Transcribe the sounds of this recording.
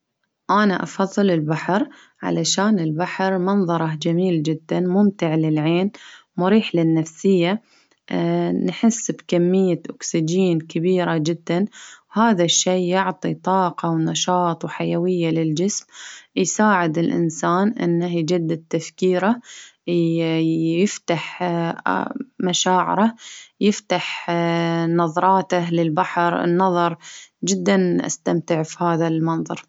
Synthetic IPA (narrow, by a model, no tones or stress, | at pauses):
ʔanaʔɑ̰fɑðˤːɨlɪlbaħɾ | ʕa̰laʃaːnɪlbaħɾmɑnðˤɑɾˤɑd͡ʒamiːld͡ʒɪd̪ːanmʊmt̪ɪʕlɪlʕeːnmʊɾiːħlanːafsɪjːa | nħɪsːbkamːɪjːaʔʊksɪd͡ʒiːnkabiːɾad͡ʒɪd̪ːanhaːðaʃːiːʊʕt̪ˤit̪ˤɑːqɑwnɑʃɑːt̪ˤwħajawɪjːalɪld͡ʒɪsmjsaːʕɪd̪ɪlʔɪ̰nsaːnʔɪ̰nːahd͡ʒad̪ːat̪ːafkiːɾa | jɪft̪aħ | maʃaːʕɪ̰ɾajɪft̪aħ | nɑðˤɾˤɑːt̪alɪlbaħɾɪ̰nːɑðˤɑɾˤd͡ʒɪd̪ːanʔa̰st̪amt̪ɪʕfihaːðalmɑnðˤɑ̰ɾˤ